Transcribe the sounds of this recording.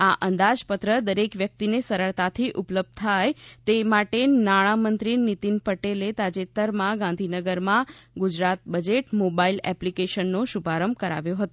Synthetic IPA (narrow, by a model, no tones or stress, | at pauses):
aʔənd̪ad͡ʒpət̪ɾəd̪əɾekʋjək̚t̪inesəɾəɭt̪at̪ʰiʔupləb̚d̪̚t̪ʰajt̪emaʈenaɽ̃amənt̪ɾinit̪inpəʈelet̪ad͡ʒet̪ːəɾmãɡãnd̪ʱinəɡəɾmãɡud͡ʒɾat̪̚bəd͡ʒeʈmobailɛplikeʃənːoʃubʱaɾəmb̚kəɾa̰ʋjõɦət̪o